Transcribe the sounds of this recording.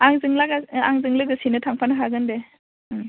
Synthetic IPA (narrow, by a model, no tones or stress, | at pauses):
aŋzɯŋlaɡaaŋzɯŋlɯɡɯsinɯtʰaŋpʰanɯɦaɡɯnde